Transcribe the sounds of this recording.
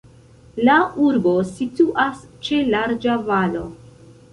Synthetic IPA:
lauɾbo̞situʔast͡ʃe̞laɾd͡ʒavalo̞̰

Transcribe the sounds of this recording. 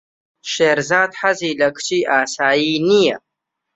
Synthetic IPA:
ʃeːɾzaːd̪ħaziːlɐkʰt͡ʃʰiːʔaːsaːjiːnijɐ

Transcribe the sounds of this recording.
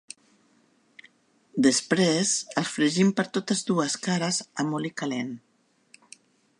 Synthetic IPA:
d̪əspɾezəlˠsfɾəʒimpəɾt̪ot̪əzd̪uəskaɾəzəmolikalen

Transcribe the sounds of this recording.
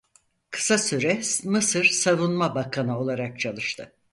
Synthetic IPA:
kʰɯ̥sasyɾɛmɯsɯɾsavunmabakʰanao̞lˠaɾak̚t͡ʃʰalˠɯʃt̪ʰɯ

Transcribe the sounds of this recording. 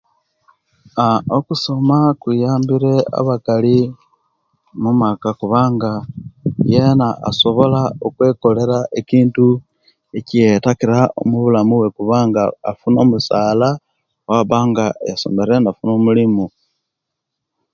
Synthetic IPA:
aokuso̞makwijaːmbiɾe̞a̰βakali | mumakakuβaːŋɡa | jenaʔːso̞βo̞laokwe̞ko̞le̞ɾaʔekiːntu | ecietakiɾaʔo̞̰muβulamuwe̞kuβaːŋɡaːfuno̞musaːla | waβaːŋɡajaso̰meɾe̞ndafuno̞mulimu

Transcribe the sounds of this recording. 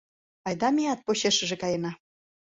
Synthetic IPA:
ɑjd̪ɑmiɑt̪̚poɕeʃə̆ʒĕkɑjenɑ

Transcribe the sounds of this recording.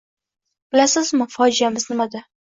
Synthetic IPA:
b̥ɪlasɪzmɪfɒd͡ʒijamɪznɪmad̪a

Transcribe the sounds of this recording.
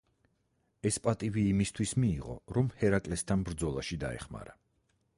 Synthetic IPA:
ɛspʼat̪ʼiviːmist̪ʰwismiːʁɔ̰ɾɔmhɛɾakʼlɛst̪ʰanbɾd̪zɔlˠaʃid̪a̰ɛ̰χma̰ɾa

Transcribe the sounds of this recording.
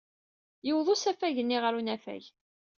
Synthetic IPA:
jʊwðˤosæfæʝənːiʁəɾunæfæ̰ʝ

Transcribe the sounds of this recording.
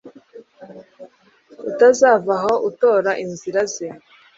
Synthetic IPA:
utazaːvaɦo̞ʔuto̞ːɾaʔinziɾaze

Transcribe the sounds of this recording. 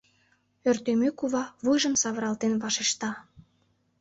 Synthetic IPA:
ørt̪emøkuβɑβujʒəmsɑβəɾɑlt̪enβɑʃeʃt̪ɑ

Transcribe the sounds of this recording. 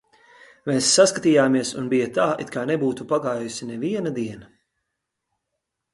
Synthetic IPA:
mɛːsːaskat̪ijaːmiɛsṵnbijɐt̪aːit̪kaːnɛbuːt̪upaɡaːjjusinɛviɛnad̪iɛnɐ

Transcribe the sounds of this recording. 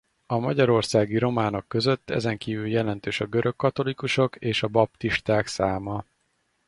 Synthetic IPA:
ɒmɒɟɒɾo̞rsaːɡiɾo̞maːno̞kːø̞zø̞t̪ːɛ̰zɛŋkiːvyljɛlɛn̪t̪øːʃɒɡø̞ɾø̞kːɒt̪o̞likuʃo̞keːʃɒbɒp̚t̪iʃt̪aːksaːmɒ

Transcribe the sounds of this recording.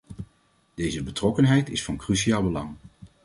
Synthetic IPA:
d̥ejzəbətrɔkənɦɛjtɪsfɑnkrysiaːlˠbəlɑŋ

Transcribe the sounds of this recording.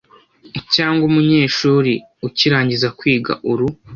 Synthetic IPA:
caːŋɡumuɲe̞ːʃuːɾi | uciɾaːɲɟizakwiːɡa̰ʔuɾu

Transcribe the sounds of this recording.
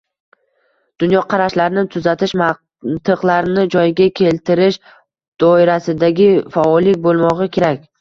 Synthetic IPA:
d̪̥ʊnjɒqʰɑɾaʃlaɾnɪt̪ʰʊzat̪ʰɪʃm | t̪ʰɨqlˠaɾnɪd͡ʒɒjɡʲakʲʰe̞lt̪ɪɾɪʃ | d̪̥ɒɪɾasɪd̪aɡʲɪfaɒlːɪk̚ʲbolˠmɒʁɨkʲʰe̞ɾakʲ

